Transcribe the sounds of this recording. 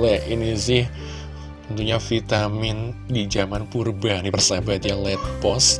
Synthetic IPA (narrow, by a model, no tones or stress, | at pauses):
lɛinisɪh | tənt̪uɲafit̪amɪndid͡ʒamankurbandipərsabat̪jalɛt̪̚bɔs